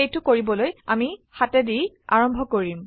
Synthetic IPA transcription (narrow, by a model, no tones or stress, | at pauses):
ejtʊkoɹibɔloja̰mixatɛdij | a̰ɹɔmbʱɔkoɹim